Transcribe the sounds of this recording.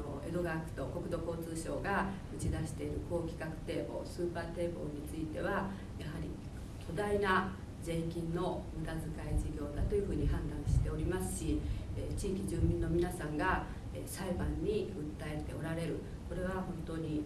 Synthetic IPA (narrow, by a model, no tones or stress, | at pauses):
o̰e̞̰d̪o̞ɡakɯ̟̥t̪o̞ko̞kɯ̟d̪o̞ko̞ːt͡sɨːɕo̞̰ːɡa | ɯ̟t͡ɕid̪aɕi̥t̪e̞iɾɯ̟ko̞ːkʲi̥kakɯ̟̥t̪e̞ːbo̞̰ːsɨːpaːt̪e̞ːbo̞̰ɲ̟it͡sɨit̪e̞βa | jaɦaɾʲḭ | t̪ʲʰo̞d̪aina | d͡ze̞ːkʲĩnːo̞mɯ̟t̪azɨkaiʑiɡʲo̞ːd̪at̪o̞jɯ̟ɸɯ̟ːɲ̟iɦãnd̪ãɰ̃ɕi̥t̪e̞o̞ɾʲimasɨ̥ɕiet͡ɕiːkʲiʑɨ̃ːmːʲĩnːo̞mʲinasãŋɡa | esaibãɲ̟ːiɯ̟t̪ːae̞t̪e̞̰o̞ɾaɾe̞ɾɯ̟ | ko̞ɾe̞β̞ahõ̞nt̪o̞ːɲ̟i